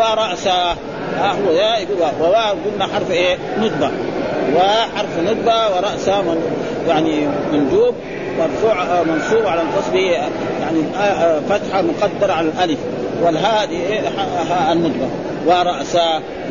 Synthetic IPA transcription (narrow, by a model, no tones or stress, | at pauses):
waɾˤɑʔsa | haɦuwːajaiɡuawawabɡulnaħɑɾˤfʔenud̪bawaħɑɾˤfnud̪̚bawiɾˤɑʔsama | jaʕnimand̪uːb̚ | mɑɾˤfuːʕmɑnsuːbʕalant̪ɑsˤbi | jaʕniafat̪ħamuqɑd̪ːɑɾˤʕalalʔalif | walɦad̪ieaɦaanːud̪ba | waɾˤɑʔsa